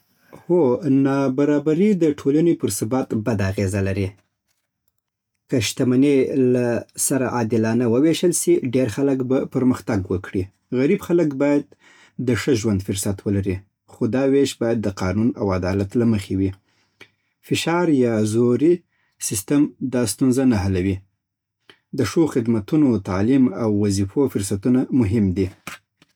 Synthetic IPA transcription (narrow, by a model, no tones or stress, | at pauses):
honɑbaɾɑbaɾid̪əʈʰolanepəɾsɪbɑt̪bad̪aːɣezalaɾi | kəʃt̪amanelasaɾaʔɑd̪ɪlɑnawəweʃəlsiɖeɾxaləkbapəɾməxt̪aɡwəkɽi | ɣaɾibxaləkbɑjad̪̚ː | əʂəʒwand̪fʊɾsat̪wəlaɾi | xod̪ɑweʃbɑjad̪ːəqɑnunawad̪ɑlat̪laməxewi | fɪʃɑɾjɑzoɾi | sɪst̪əmd̪ɑst̪unzanaɦalawi | d̪əʂoxɪd̪mat̪unot̪alimawːazifofʊɾsat̪unamʊɦɪmd̪i